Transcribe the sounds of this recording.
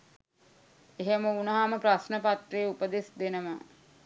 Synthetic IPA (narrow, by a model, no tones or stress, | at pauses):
eɦeməunɐɦaməprasnəpat̪ɾeːupəd̪esd̪enəmə